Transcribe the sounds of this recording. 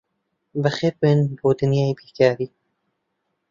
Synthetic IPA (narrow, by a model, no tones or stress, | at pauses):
bəxeːpenboːd̪ɨnjaːibiːkaːɾiː